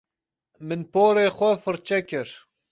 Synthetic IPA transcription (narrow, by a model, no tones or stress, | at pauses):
mɨnpoːɾeːxʷɔfɨɾt͡ʃɛkɪɾ